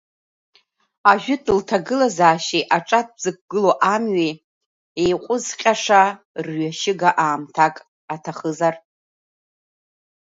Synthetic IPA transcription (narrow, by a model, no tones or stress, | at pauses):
aʒᶣʊtʼɨltʰaɡɨlazaːʃiʔaʈ͡ʂʼat̚ʰzɨk̚ʷɡ̥ɨloʔamɥi | ejqʷʼʊzqʲʼaʂa | rɥaʃɪɡaʔaːmtʰakʼ | atʰaχəzar